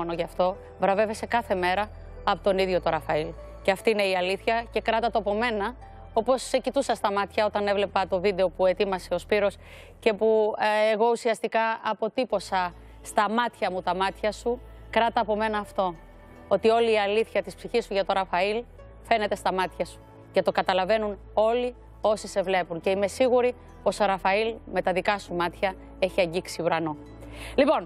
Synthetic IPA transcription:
onoʝɐft̪o̞ | vɾɐve̞ve̞se̞kɐθe̞me̞ɾɐː | pot̪o̞niðʝo̞t̪o̞ɾɐfɐil | ceɐft̪iine̞iɐliθçɐce̞kɾɐt̪ɐt̪oɐpo̞me̞nɐ | o̞po̞secit̪usɐst̪ɐmɐt̪çɐo̞t̪ɐne̞vle̞pɐt̪o̞vid̪e̞o̞pue̞t̪imɐse̞o̞spiɾo̞s | ce̞pueɣo̞usiɐst̪ikɐɐpo̞t̪ipo̞sɐ | st̪ɐmɐt̪çɐmut̪ɐmɐt̪çɐsu | kɾɐt̪ɐːpo̞me̞nɐːft̪o̞ | o̞t̪io̞liːɐliθçɐt̪ispsiçisːuʝɐt̪o̞ɾɐfɐil | fe̞ne̞t̪e̞st̪ɐmɐt̪çɐsu̥ | cɐt̪o̞kɐt̪ɐlɐve̞nun | o̞li | o̞sise̞vle̞punce̞ime̞siɣuɾi | po̞so̞ɾɐfɐilme̞t̪ɐðikɐsumɐt̪çɐ | e̞çiɐɲɟiksiuɾɐno̞ | lipo̞n

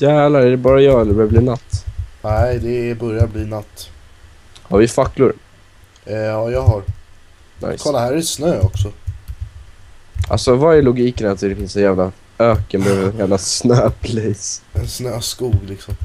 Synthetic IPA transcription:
jæːvlaæɖɛbɑːɾajɑːd̪ɛbœɾjabliːnat̪ːnɛɪd̪ɛbœɾjabliːnat̪ː | haɾvɪfakːlʊɾ | ɑːjɑːɦaɾ | nʔa̰jskʰɔlːahæːɾɛɛsnøːɔksɔ | ʔa̰lsɔvaæɭʊɡiːkənat̪d̪ɛfɪnsɛnjæːvla | øːkənbøvɛnjæːvlasnøːpʰlɛjsɛnsnøːskuːɡlɪksɔm

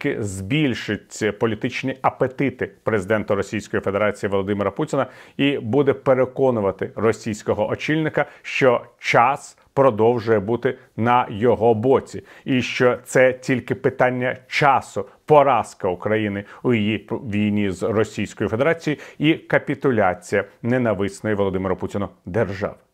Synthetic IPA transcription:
kɪzbʲilʲʃɪtʲpɔlʲit̪ɪt͡ʃnʲiʔɐpet̪ɪt̪ɪpɾezɪd̪ɛnt̪ʊɾɔsʲijsʲkɔjife̞d̪eɾɑt͡sʲijiʋɔlˠɔd̪ɪmɪɾɐputʲɪnɐibud̪ɛpeɾekɔnʊʋɐt̪ɪrɔsʲijsʲkɔɦɔʔɔt͡ʃilʲnɪkɐʃt͡ʃɔt͡ʃɑs | pɾɔd̪ɔwʒʊjɛbut̪ɪ | nɐjɔɦɔbɔt͡sʲi | iʃt͡ʃɔt̪sɛtʲilʲkɪpɪt̪ɑnʲːɐt͡ʃɑsʊpɔɾɑskɐukɾɐjinɪujijiʋʲijnʲizrɔsʲijsʲkɔjife̞d̪eɾɑt͡sʲijiikɐpʲit̪ʊlʲat͡sʲijɐnenɐʋɪsnɔjiʋɔlˠɔd̪ɪmɪɾʊputʲɪnʊd̪erʒɑ̰ʋ

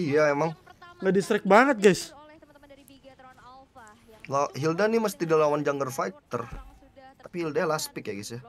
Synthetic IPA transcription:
ijaemaŋŋadisɾɛk̚baŋət̪̚ɡajs | laɦildaniməst̪idalawand͡ʒaŋɡərfajt̪ər | t̪apihildajalaspɪkjaɡisja

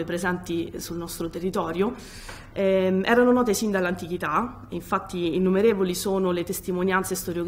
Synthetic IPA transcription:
epɾezɛnt̪isulnɔst̪ɾot̪erːit̪ɔːɾjo | ɛʔɛ̰ːɾanonɔːt̪esind̪alːant̪ik̟it̪a | iɱfat̪ːiːnːumeɾeːvolisoːnolet̪est̪imonjant̪sest̪oɾjoɡ

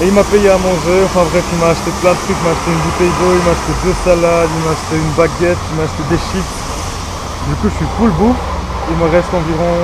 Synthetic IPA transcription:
eilmapejeamɔ̃ʒøɑ̃fɛ̃bʁɛfilmaːʃt̪eplɛ̃d̪ət̪χykimaːʃt̪eynbut̪ɛjd̪oilmaːʃt̪ed̪øsalad̪ilmaːʃt̪eynbaɡʲɛt̪imaːʃt̪ed̪eʃit̪ | d̪ykuʒəsipulbu | ilməʁɛst̪ɑ̃viʁɔ̃

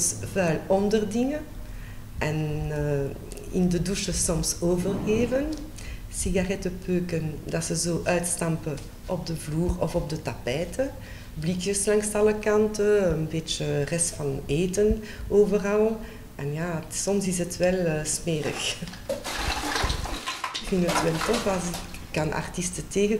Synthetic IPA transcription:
svœːlɔndərdɪŋə | ʔɛnː | ɪ̰ndəduʃəsɔmsoːvərɣeːvən | siɣarɛtəpøːkəndɑtsəzoːʔœːtstɑmpə | ʔɔb̚dəvluːrɔfɔb̚dətapɛːtə | blikjəslɑŋstɑləkɑntəənbeːt͡ʃərɛstfɑneːtən | oːvərɑlˠ | ʔɛnjaːsɔmsɪsətʋɛlːsmeːrə̰x | kfintətʋɛltɔfɑs | kɑnʔa̰rtistəteːɣə

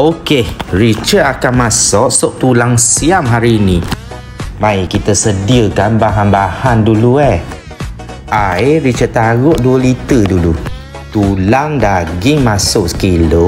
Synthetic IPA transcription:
okeɹit͡ʃəakanmasɔʔsʊʔ̚t̪ulaŋsiamɦaɾiːnĩ | baikit̪asədiəkanbaɦanbahandulue | ʔajɹit͡ʃət̪aɣʊʔ̚duəlit̪ədulu | t̪ulaŋdaɡɪŋmasʊʔsə̥kilo

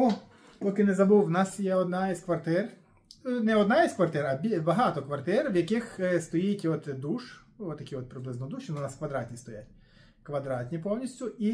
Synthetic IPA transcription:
u | pɔkɪnɛzɐbuwwnɑsjɛɔd̪nɑiskʋɐrt̪ɪr | nɛɔd̪nɑiskʋɐrt̪ɪɾɐbʲibɐɦɑt̪ɔkʋɐrt̪ɪrwjɐkixst̪ɔjitʲɔt̪d̪uʃ | ɔt̪ːɐkʲiɔt̪̚pɾɪblˠɪznɔd̪uʃɪnunɑskʋɐd̪ɾɑtʲnʲist̪ɔjatʲ | kʋɐd̪ɾɑtʲnʲipɔwnʲisʲtʲʊi

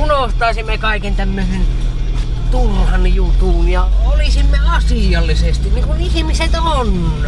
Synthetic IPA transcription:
unoht̪ɑisimːekɑˑikent̪æmːøsen | t̪unhɑnjut̪uːnjɑoliˑsimːeɑsiˑɑlːisest̪inniːŋkuihmiset̪on

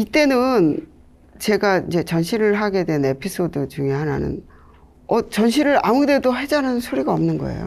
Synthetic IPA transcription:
it͈e̞nɯn | t͡ɕe̞ɡaid͡ʑe̞t͡ɕʌnɕʰiɾɯɭɦaɡe̞dwe̞ne̞pʰis͈ʰodɯt͡ɕuŋjoɦana̰nɯ̰n | ʌt͡ɕʌnɕʰiɾɯɾamude̞dohed͡ʑanɯnnsʰoɾiɡaʌmnɯnɡʌ̰ḛjo̰

